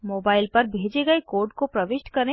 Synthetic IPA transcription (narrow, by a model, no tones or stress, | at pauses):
moːbaːɪlpɐɾbʱeːd͡ʒeɡɐekoːɾɖkopɾɐʋɪʃʈkɐɾẽ